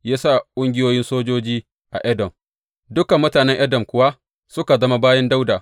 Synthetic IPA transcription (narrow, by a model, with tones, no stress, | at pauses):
jaː˦saː˦˨kʷʼʊ˦ŋɡʲɪ˦joː˦jɪ˦nsoː˦d͡ʒoː˦d͡ʒiː˦ | ʔa̰˨ʔɐ˦dɐ˨m | dʊ˦kɐ˨mːʊ˦taː˨nɛ˦ŋʔɐ˦dɐ˨mkʷʊ˦wa˦ | sʊ˦ka˨zɐ˦ma˦baː˦jɛ˦nda˦wdaː˨